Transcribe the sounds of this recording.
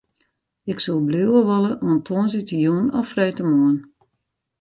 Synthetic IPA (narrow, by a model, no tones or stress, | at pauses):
ɪksolˠblewəʋɔləɔntʰoənzɪtəjuːnɔfrɛjtəmoən